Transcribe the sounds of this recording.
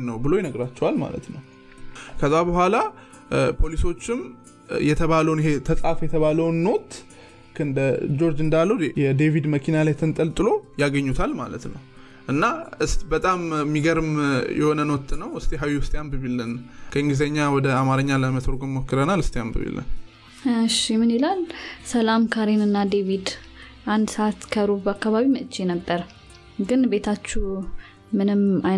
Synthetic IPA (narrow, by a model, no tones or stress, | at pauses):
nəwbɨlo̞jɛnəɡɾat͡ʃːɛwalma̰lə̰t̪nəw | kʰəzːabəhʷala | pʰo̞liso̞t͡ʃːɪm | jɛt̪ʰəβaləwniɦe̞t̪ʰəsʼafjɛt̪ʰəβaləwnːo̞t̪ | kʰɨnd̪əd͡ʒo̞ɾd͡ʒɨnd̪alːujɛd̪evid̪məkʰinalajt̪ʰɨnt̪ʼəlt̪ʼɨlo̞jaɡəɲːut̪ʰalma̰lət̪nəw | ʔɨnːaɨst̪bət̪ʼammːiɡəɾɨmjɛ̰ho̞nənwɔt̪ʰʼːɨnəwɨst̪ʰeɦawʊst̪ʰʼeambɨβilːɨnkʰəɨŋɡɨzeɲːawɔd̪əamaɾəɲːaləmət̪ʰoɾɡomːokːɨɾənalɨst̪ʰeambɨ̰βḭlːɨ̰n | ʃimɨnelalsəlamkʰaɾenɨnːad̪evid̪ | ʔand̪səat̪kʰəɾubəakːaβaβiməʔt͡ʃːenəbːəɾ | ɡɨnbe̞t̪ʰat͡ʃːu | mɨnɨma